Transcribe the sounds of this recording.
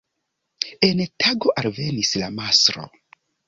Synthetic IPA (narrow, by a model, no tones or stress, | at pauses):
e̞ntʰaɡo̞ʔalve̞nislamasɾo̞̰